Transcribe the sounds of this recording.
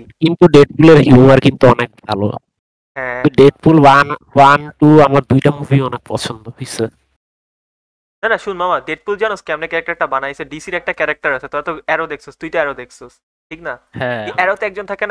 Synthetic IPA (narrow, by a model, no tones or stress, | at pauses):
kint̪uɖeʈ̚puleɾɦuwaɾkint̪uɔnek̚bʱalo̰ | ɦɛ̃uɖeʈ̚pulwanwanʈuamaɾd̪ujʈamuvʱiɔnek̚pɔ̰t͡ɕʰond̪oɦojsʰe | nanaʃunmamaɖeʈ̚puld͡ʑanoskɛmnekɛɾak̚ʈaɾʈabanajesʰeɖisiɾɛk̚ʈakɛɾak̚ʈaɾat͡ɕʰet̪ɔat̪oɛɾod̪eksost̪ujt̪oɛɾod̪ekʰsʰos | ʈʰiknahɛ̃ɛɾot̪ɛk̚d͡ʑont̪ʰakena